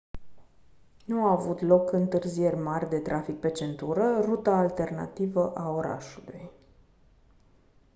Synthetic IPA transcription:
nuaːvut̪lo̞kɨnt̪ɨrzije̞rʲmarʲd̪e̞t̪ɾʔafik̚pe̞t͡ʃe̞nt̪uɾərut̪aːlt̪e̞rna̰t̪ivəʔao̞ɾa̰ʃulṵj

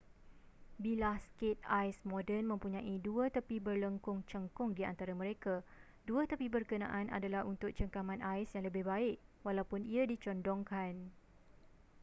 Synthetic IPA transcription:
bilahskɪt̪̚ajsmɔdənmə̃mpuɲãʔiduət̪əpibərləŋkʊŋt͡ʃəŋkʊŋdia̰nt̪aɾamə̃ɾeka | duat̪əpibərkənã̰ʔanʔa̰dalaɦunt̪ʊk̚t͡ʃəŋkamãnajsjaŋləbɪhbaɪʔ̚walawpʊniadit͡ʃɔndɔŋkan

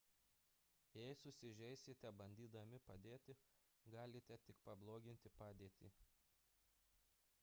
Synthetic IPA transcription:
jɛɪsʊsʲɪʒʲɛɪsʲɪt̪ʲɛbɐnʲd̪ʲiːd̪ɐmʲɪpɐd̪ʲeːt̪ʲɪ | ɡɑːlʲɪt̪ʲɛt̪ʲɪkpɐblˠoːɡʲɪnʲt̪ʲɪpɑːd̪ʲeːt̪ʲiː

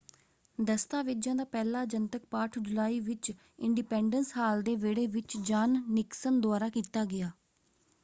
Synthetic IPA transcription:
d̪əst̪aːʋɪd͡ʒjãːd̪aːpɛːlaːd͡ʒənt̪ək̚paːʈʰd͡ʒʊlaːiːʋɪt͡ʃ | ɪɳɖipɛːɳɖənsɦaːld̪eːʋeːɽeːʋɪt͡ʃd͡ʒaːnːɪksənd̪ʊaːɾaːkiːt̪aːɡɪjaː

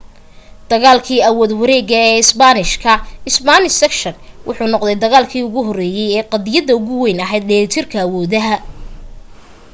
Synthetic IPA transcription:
d̪̥ɐɣaːlkʰiːɐwɔːd̪wɐɾɛːɣɐɛːɪsbanɪʃkʰɐɪsbanɪsɛkʃɐnwʔʊ̰ħuːnɔqd̪ɛjd̪ɐɣaːlkʰiːʊɣʊɦɔrɛːjɛjɛːqɑðɪjɐðɐʊɣʊwɛjnɐɦɛjd̪̚ɗɛːɾɪt̪ʰɪrkʰɐːwɔːðɐɦɐ

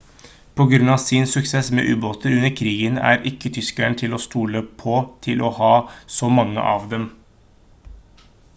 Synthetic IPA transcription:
pʰɔɡɾʉnɑːʋsɪnsʉksesmḛːʔʉːboːt̪əʉnːəɾkʰɾiːɡənæ̰ɾɪkːət̪ʰʏskæɳət̪ʰɪlɔːst̪uːləpʰɔt̪ʰɪlʔɔhɑːsɔmɑŋːə̰ʔɑːʋd̪ɛm

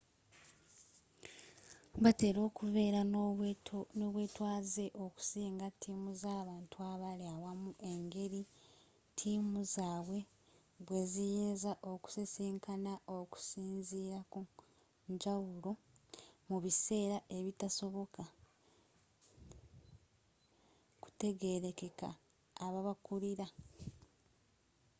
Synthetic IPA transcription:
βate̞ːɾo̞ːkuve̞ːɾa | noːβwe̞ːtwaːze̞ʔo̞ku̥siːŋɡatʰːiːmuzaːβaːntuaβaleawamuʔe̞ŋɡe̞ɾi | tʰiːmuzaːβwe̞ | βwe̞ːzijeːnzaʔo̞ku̥sisiːŋkʰanaʔoku̥siːnziːɾaku | ɲd͡ʒawulo̞ | muβise̞ːɾae̞βitaso̞βo̞ka | ku̥te̞ɡe̞ɾe̞ke̞ka̰ː | βaβakuɾiɾa

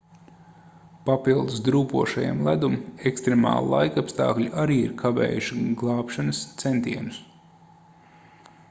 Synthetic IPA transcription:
papilˠd̪usd̪ɾuːpuɔʃaja̰mlˠæd̪umekst̪ɾemɑ̰ːlˠlˠa̰jkapst̪ɑ̰ːklʲuʔaɾiːiɾkʰaʋḛːjuʃiɡlˠɑːpʃanɐst̪sent̪iɛnus

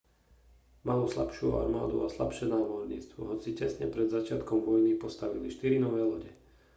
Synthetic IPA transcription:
maluslapʃɪua̰ɾma̰ːd̪ṵasla̰pʃɪɛnaːmɔɾɲḭːt͡st̪ʋɔɦɔt͡sicɛsɲɛpɾɛd̪zat͡ʃɪat̪kɔmʋɔjnipɔst̪aʋḭliʃt̪iɾinɔʋɛːlɔɟɛ

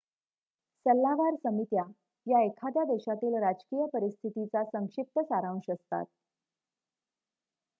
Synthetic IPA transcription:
səlːaʋaɾsəmit̪ja | jaekʰad̪jad̪eɕat̪iːlɾad͡ʑkiːjəpəɾist̪ʰit̪it͡sasəŋkʂip̚t̪əsaɾãw̃ʂəst̪a̰t̪̚

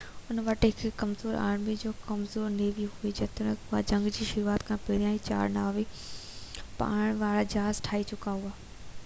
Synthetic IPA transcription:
ʊnʋɐʈɦɪkʰkɐmzoːɾa̰ːɽ̃mid͡ʑoːkɐmzoːɾneːʋiɦuid͡ʑɐt̪ɽ̃ʊa̰d͡ʑɐ̃ŋɡd͡ʑiːʃʊɾuaːt̪kʰãːpeɾijãːĩt͡ɕa̰ːɾnaːʋi | pa̰ːɽ̃ʋaːɭad͡ʑaːzʈʰaːit͡ɕʊkaːɦuaː

